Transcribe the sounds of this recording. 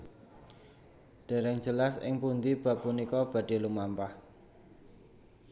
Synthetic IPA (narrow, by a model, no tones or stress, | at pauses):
ɖ̥e̤ɾɛŋ̥d͡ʒ̥əlasɪ̰ŋpund̪ib̥ä̤pːunikɔb̥ä̤ɖ̥e̤lumampah